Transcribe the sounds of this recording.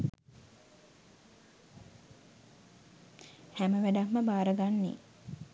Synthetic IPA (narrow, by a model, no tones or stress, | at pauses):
hæməʋæɖammːəbaːɾəɡanːḛ